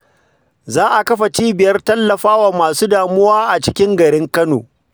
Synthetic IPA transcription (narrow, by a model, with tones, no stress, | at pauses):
zaː˦ʔa˨kɐ˦ɸa˨t͡ʃiː˦bɪ˨jɐ˦rtɐ˦lːɐ˨ɸaː˦wa˨maː˨suː˦daː˨mʊ˦waː˦ʔa˨t͡ʃɪ˦kʲɪ˦ŋɡɐ˨ɽɪ˦ŋkɐ˦no̰ː˨